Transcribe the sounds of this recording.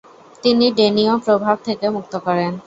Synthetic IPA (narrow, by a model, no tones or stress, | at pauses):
t̪iniɖeniopɾobʱab̚t̪ʰekemuk̚t̪okɔɾen